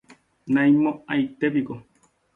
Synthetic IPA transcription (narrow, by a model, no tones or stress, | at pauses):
nãimoajt̪eβiɡo